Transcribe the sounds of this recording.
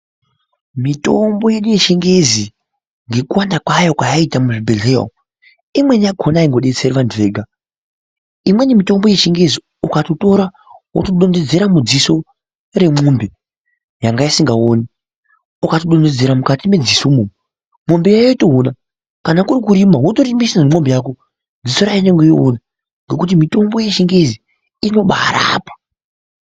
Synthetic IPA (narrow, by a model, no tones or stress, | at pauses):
mito̞mbo̞je̞ɗuje̞ʃeŋɡe̞zi | ŋɡe̞kuwandakwajo̞kwajaitamuʐibʱe̞ɮeo̰ | imwe̞njaɡʰʱo̞naiŋɡoɗe̞t͡seɾiʋantʰuʋe̞ːɡʱa | imwe̞nemito̞mbo̞je̞ʃeŋɡe̞zi | ukatoto̞ɾa | wotoɗonde̞d͡ze̞ɾamud͡ziso̞ | re̞mumbe̞ | jaŋɡaisiŋɡaoni | ukatoɗo̞nde̞d͡ze̞ɾamukatime̞d͡zisomuːmo | mombejajoito̞ɦona | kanakurikuɾimawotoɾimisanemombejaːk̬o | d͡ziso̞ɾajiɲeŋɡejona | ŋɡe̞kut̬imito̞mbo̞je̞t͡ʃiŋɡe̞zi | ino̞ɓaa̰ɾa̰ːpḁ